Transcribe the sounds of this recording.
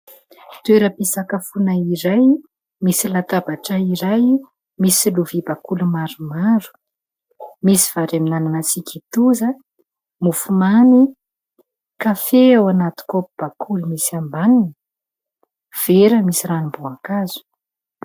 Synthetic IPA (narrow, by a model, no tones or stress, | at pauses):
t̪ueɾəpisakafunaiɾaj | misilat̪abaʈ͡ʂaiɾaj | misiluvibakulumaɾumaɾu̥ | misiv̥aɾaminananat͡sikʲit̪uzə | mufumani | kafeawanat̪i̥kopib̥akʰulumisambanin | v̥eɾəmisiɾanimbuakazu̥